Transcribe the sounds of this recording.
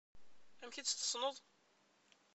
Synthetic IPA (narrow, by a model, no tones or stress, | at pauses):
æmçit̪st̪ə̥sˤnoðˤ